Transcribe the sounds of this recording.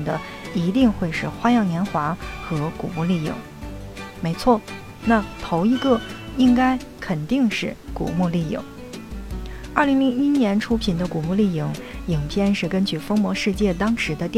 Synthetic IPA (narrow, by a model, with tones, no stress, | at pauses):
ŋd̪ə˦ | i˧˥t̪i˥˧ŋxwe˥˧ɪʂɻ̩˥˩xwa˥jɑ˥˩ŋnjɛ˧˥nxwa˧˥xɤ˧˥ku˨˩mu˥˧li˥˩ḭ˨˩˦ŋ | me˧˥ɪt͡sʰwɔ˥˩ | na˥˩t̪ʰo˧˥ʊi˧˥ɡɤ˥˩i˥ŋka˥ɪ | kʰə˨˩nt̪i˥˧ŋʂɻ̩˥˩kṵ˨˩mu˥˧li˥˩jḭ˨˩˦ŋ | ə˞˥˩li˧˥ŋli˧˥ŋi˥njɛ˧˥nʈ͡ʂʰu˥pʰi˨˩nd̪ə˦ku˨˩mu˥˧li˥˩i˨˩ŋi˨˩ŋpʰjɛ˥˧nʂɻ̩˥˩kə˥nt͡ɕy˥˩fɤ˥ŋmwɔ˧˥ʂɻ̩˥˧t͡ɕjɛ˥˩t̪ɑ˥ŋʂɻ̩˧˥d̪ə˧t̪